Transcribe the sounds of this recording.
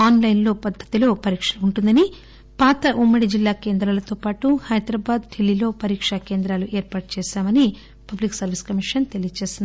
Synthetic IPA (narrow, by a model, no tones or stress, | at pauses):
aːnlɐjnlo̞ːpɐd̪ʱːɐ̥t̪ilo̞ːpɐɾiːkʂɐuɳʈund̪ɐni | paːt̪ɐʔumːɐɽid͡ʒilːaːkeːnd̪ɾaːlɐt̪o̞ːpaːʈuhɐjd̪ɾɐːbaːd̪ɖʰilːilo̞ːpɐɾiːkʂɐkeːnd̪ɾaːluʔeːɾpaːʈ̚t͡ʃɛːʃaːmɐni | pɐbliksɐɾʋiskɐmiʂɐnt̪elijɐt͡ʃeːsind̪